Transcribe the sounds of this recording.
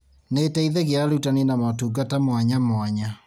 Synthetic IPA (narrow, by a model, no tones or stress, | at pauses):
netɛiðɛɣeaɾeutanenamatuɡatamwaɲamwaɲa